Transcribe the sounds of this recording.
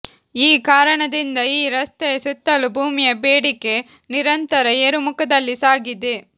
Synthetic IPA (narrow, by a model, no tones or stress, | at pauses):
iːkaːɾɐɳɐd̪ind̪ɐiːɾɐst̪ɛɐsut̪ːɐlubʱuːmijɐbeːɽikːe | niɾɐnt̪ɐɾɐeːɾumukɐd̪ɐlːisaːɡid̪e